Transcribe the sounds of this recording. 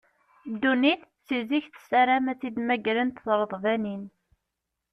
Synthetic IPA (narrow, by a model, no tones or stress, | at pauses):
d̪ːuniθsiziçθə̥sæɾæmæt͡sːid̪mæɡɾənt̪θˤɾˤəðˤvænin